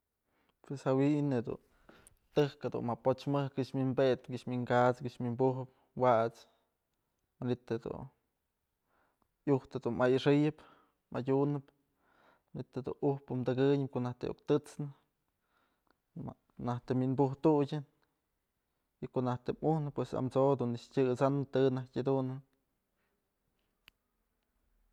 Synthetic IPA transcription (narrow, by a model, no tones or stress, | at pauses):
pweshawined̪ṵn | t̪ɨhkhed̪ṵnmapot͡ʃmɨhkɨʔʃmʲinbet̪kɨʔʃmiŋɡat͡skɨʔʃmimbuɦɨp̚ | waʔt͡s | manit̪ed̪ṵn | juht̪ed̪unmʔajɨʂɨjɨp | mʔadʲunɨp | manit̪ed̪ṵnuhpɨmd̪ɨɡɨɲɨp̚koʔnaht̪ḛʔo̰kt̪ɨt͡snɨ | naht̪eminbuɦt̪uɡʲɨn | ikoʔnaht̪emuhnɨpwesa̰mt͡sod̪unɨt͡ʃtʲɨt͡sanɨt̪ɨnahtʲad̪unɨn